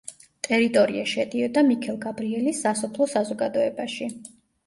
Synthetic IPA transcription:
t̪ʼɛɾit̪ʼɔɾiaʃɛd̪iɔd̪amikʰɛlˠɡabɾiɛlisːasɔpʰlˠɔsazɔɡad̪ɔɛbaʃi

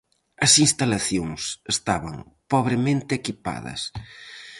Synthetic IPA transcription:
ɐsinst̪alaθjoŋsest̪aβɐŋ | pɔβɾemẽnt̪ɪekipa̰ðɐ̰s

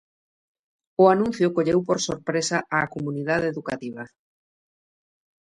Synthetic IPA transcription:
ʊanũn̟θjʊkoʎewpoɾsoɾpɾesaʔakomuniðaðeðukat̪iβ̞a

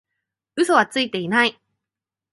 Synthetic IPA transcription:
ɯ̟so̞β̞at͡sɨit̪e̞inai

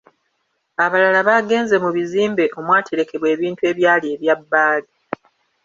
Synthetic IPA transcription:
aβalalaβaːɡe̞ːnze̞muβiziːmbe̞ʔo̞mwaːtʰeɾe̞ke̞βwe̞ːβiːntue̞ːβjaːlieːβjabːaːli

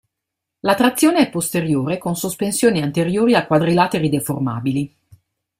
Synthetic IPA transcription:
lat̪ɾat̪sːjoːneɛpːost̪eɾjoːɾekonsospensjoːniant̪eɾjoːɾiakːwad̪ɾilaːt̪eɾid̪eforma̰ːbili

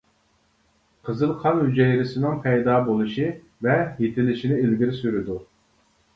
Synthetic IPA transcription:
qʰəzɨlˠqʰɑnhyd͡ʒɛjɾɪsɪnɪŋpʰɛjd̪ɑːbolˠɨʃi | vɛjet̪ʰɪlɪʃinɪilɡʲiɾɪsyɾyd̪u

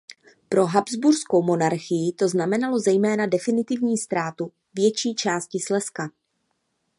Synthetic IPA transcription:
pɾo̞ɦabzbuɾsko̞wmo̞naɾxɪjɪt̪o̞znamɛnalo̞zɛjmɛːnadɛfɪnɪt̪ɪvɲiːst̪ɾaːt̪u | vjɛt͡ʃiːt͡ʃaːscɪslɛska

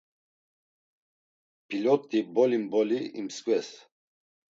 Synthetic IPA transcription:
pʰilɔt̪ʼːibɔlimbɔliḭmskʼwɛs

